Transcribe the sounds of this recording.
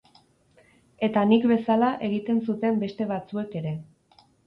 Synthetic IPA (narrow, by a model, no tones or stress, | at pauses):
e̞t̪anikbe̞salaʔe̞ɣ̞it̪e̞nsut̪e̞mbe̞st̪e̞β̞at͡sue̞ke̞ɾe̞